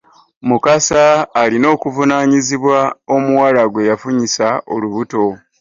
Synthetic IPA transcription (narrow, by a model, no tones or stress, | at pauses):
mukasaːlino̞ːkuvunaːɲiziβwao̞muwalaɡwe̞jafuɲisaoluβuto̞